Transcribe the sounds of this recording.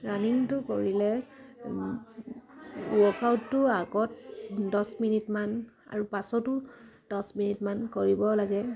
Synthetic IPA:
ɹaniŋtʊkoɹilɛ | ɔkawtːʊaɡɔt̚dɔsminitman | a̰ɹupasɔtʊd̥ɔsminitmankoɹibɔlaɡɛ

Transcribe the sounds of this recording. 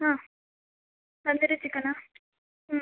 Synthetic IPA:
aː | sɐnd̪ɪɾɯt͡ʃːɯkːɐnaː

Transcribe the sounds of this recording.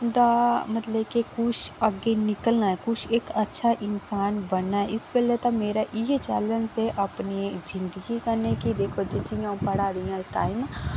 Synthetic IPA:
d̪amɐt̪ləbkekʊt͡ʃʰɐɡenɪkəlnaɦɛkʊt͡ʃʰeːkɐtːʃʰaʔɪnsaːnbɐnnːaɦɛʔɪsbelet̪ɐmeːɾaʔit͡ʃɛːlə̃nseʔɐpnizɪ̃nd̪əɡikɐɾnekid̪eːkʰod͡ʒit͡ʃiãpɐɽ̤aːd̪iãɪsʈaːɪm

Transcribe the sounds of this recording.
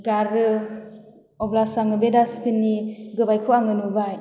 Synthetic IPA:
ɡaɾɯ | ɔblasaŋɯbedaspinːiɡɯbajkʰuaŋɯnubaj

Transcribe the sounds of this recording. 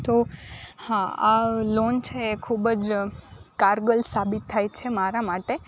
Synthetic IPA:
t̪ohãalont͡ʃʰeːkʰubəd͡ʒ | kaɾɡəlsabit̪ʰːajt͡ʃʰemaɾamaʈe

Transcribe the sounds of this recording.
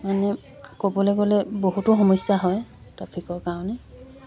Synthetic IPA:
manɛ | kobɔlɛɡolɛboɦutʊxɔmɔsaɦɔjtapʰikɔɹkaʊnɛ

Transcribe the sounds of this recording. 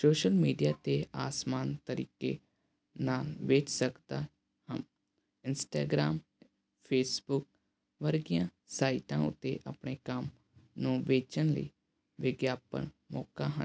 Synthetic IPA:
soːʃəlmiːɖijaːt̪eːaːsmaːnt̪əɾḭːkḛː | naːlʋeːt͡ʃsəkd̪aː | həm | ɪnsʈaːɡɾaːm | pʰeːsbʊk̚ | ʋəɾɡijãː | saːiʈãːʊ̰t̪ːḛːʔəpɳeːkəm | nũːʋeːt͡ʃənlə̰iː | ʋɪɡjaːpə̰n | mɔːkaːɦə

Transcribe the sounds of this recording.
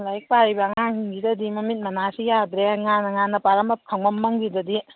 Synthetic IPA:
lajk̚paɾibaŋaŋhiŋɡidɐdimɐmit̚mɐnasijadɾeŋanɐŋanɐpaɾɐmɐp̚kʰaŋmɐmːɐŋɡidɐdi

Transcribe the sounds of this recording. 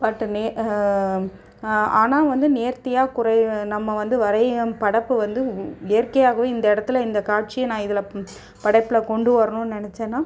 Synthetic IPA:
pɐʈːɯneː | aːnaːʋɐnd̪ɯneːɾt̪ɪjaːkʊɾɐɪnɐmːɐʋɐnd̪ɯʋɐɾɐɪpɐɽɐpːɯʋɐnd̪ɯɛɐɾkɐjaːɣɐʋeːɪnd̪ɐɪɽɐt̪ːɯlɪnd̪ɐkaːʈ̚t͡ʃɪjɐnãːɪðɪlɐ | pɐɽɐɪpːɪlɐkɔɳɖɯʋɐɾɐnʊ̃nnɪnɛt͡ʃːeːnaː

